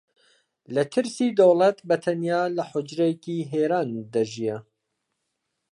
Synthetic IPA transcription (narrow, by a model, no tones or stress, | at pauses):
lɐt̪ʰɨɾsiːd̪owlɐt̪bɐt̪ʰɐnjaːlɐħʊd͡ʒɾejkiːɦeːɾaːnd̪ɐʒijɛ